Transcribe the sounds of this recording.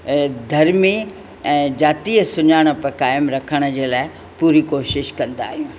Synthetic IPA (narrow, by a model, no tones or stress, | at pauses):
d̪ʱɐɾmi | ɛ̃ːd͡ʑaːt̪iːəsʊɲaːɽ̃ə̆pɐkaːɪmɾɐkʰəɽ̃ə̆d͡ʑeːlaːɪ | puːɾikoːʃɪʃkɐ̃nd̪a̰ːɦijũː